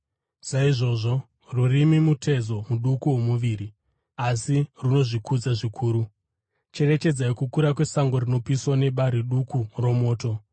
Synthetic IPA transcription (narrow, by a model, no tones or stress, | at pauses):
saiʐo̞ʐo̞ | rurimimutʰe̞zo̞muɗukuwo̞muʋiːri | asiruno̞ʐikʰud͡zaʐikʰuːɾu | t͡ʃe̞re̞t͡ʃe̞d͡zaikukuɾakwe̞saŋɡo̞rino̞piswane̞ɓaɾiɗukuro̞mo̞ːto̞